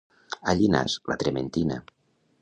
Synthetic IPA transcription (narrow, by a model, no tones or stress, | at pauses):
aʎina̰slat̪ɾement̪ina̰